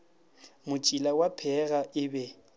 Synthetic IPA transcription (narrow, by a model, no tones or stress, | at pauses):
mʊt͡ʃʼilawapʰɛɣaʔɪbɛ